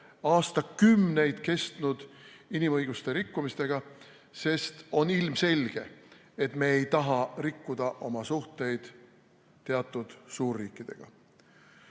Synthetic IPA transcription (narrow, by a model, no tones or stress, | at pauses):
ɑːst̪ɑkymne̞jd̪̥ke̞st̪nud̪̥inimɤjɡ̥ust̪e̞ɾikːumist̪e̞ɡ̥ɑ | se̞st̪o̞nilmse̞lʲɡ̥e̞ | et̪me̞ːejt̪ɑɦɑrikːud̪̥ɑʔo̞mɑsuht̪e̞jd̪̥ | t̪ːe̞ɑt̪ːˑud̪̥suːrːiːkːˑid̪̥e̞ɡ̥ɑ̰